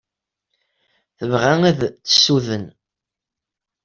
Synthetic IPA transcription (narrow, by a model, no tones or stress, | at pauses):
θəvʁææðt͡sːə̥sːuðən